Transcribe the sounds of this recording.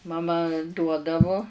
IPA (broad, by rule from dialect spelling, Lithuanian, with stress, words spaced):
mɐˈmɐ ˈduɔdɐʋʊ